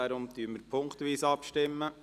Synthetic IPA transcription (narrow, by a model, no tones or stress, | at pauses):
aɾʊmt̪yːməɾpʰʊŋkt̪ʋiːsɑpʃtɪmːə